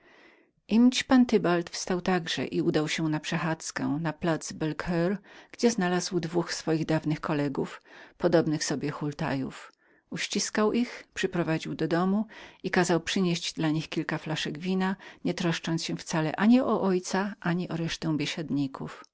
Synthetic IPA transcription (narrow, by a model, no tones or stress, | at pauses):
ʔimt͡ɕpant̪ɘbalt̪fst̪awt̪aɡʐ̥ɛ̰ʔiud̪awɕɛnapʂɛxat̪skɛ̰naplad̪zbɛlkʰɛɾɡ̥d͡ʑɛznalazwd̪vuxsfɔjiɣd̪avnɘxkɔlɛɡufpɔd̪ɔbnɘxsɔbʲjɛxult̪a̰jṵf | uɕt͡ɕiskawʔixpʂɘpɾɔvad͡ʑiwd̪ɔd̪ɔmuikazawpʂɘɲeɕd͡ʑd̪laɲixkʲilkaflaʂɛɡvʲinaɲɛt̪ɾɔʂt͡ʂɔnt̪sɕɛ̃ft̪salɛ̰ʔaɲiɔʔɔjt̪saʔaɲiʔɔɾɛʂt̪ɛ̃w̃bʲjɛɕad̪ɲikṵf